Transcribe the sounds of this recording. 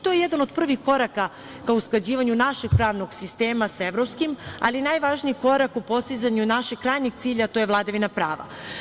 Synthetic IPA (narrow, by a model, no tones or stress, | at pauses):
t̪o̞jejed̪ano̞d̪pr̩ʋixko̞ɾaka | kausklˠad͡ʑiːʋaɲunaʃe̞ɡ̥̚pɾaːʋno̞ɡsist̪eːmasaeʋɾo̞pskima̰linajʋaʒniiko̞ɾakupo̞st̪izaɲunaʃeɡ̚kːɾaːjɲeɡt̪siːʎat̪o̞jevlˠad̪aʋinapɾaːʋa̰